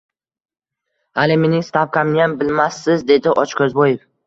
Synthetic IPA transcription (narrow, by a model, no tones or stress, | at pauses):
alɪme̞nɪŋst̪ʰapkʲʰamnɪjambɪlmasːɪzd̪e̞d̪ɪʔɒt͡ʃkʲʰɵzbɒjef